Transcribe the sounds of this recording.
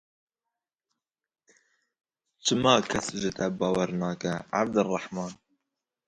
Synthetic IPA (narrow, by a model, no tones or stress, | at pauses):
t͡ʃʰɨmɑːkʰɛsʒɨt̪ɛbɑːwɛɾnɑːkɛʕa̰b̚d̪ɨrˤɑħmɑːn